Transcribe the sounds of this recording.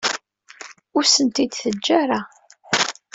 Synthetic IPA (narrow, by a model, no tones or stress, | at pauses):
ʊɾsənt̪id̪θəd͡ʒd͡ʒːaɾˤa